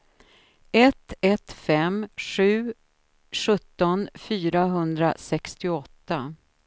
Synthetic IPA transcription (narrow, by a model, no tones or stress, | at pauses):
ɛt̪ːɛt̪fɛmɧʉ̟ː | ʂɵt̪ːɔnfyːɾaɦɵnd̪ɾasɛkst̪ɪɔt̪ːa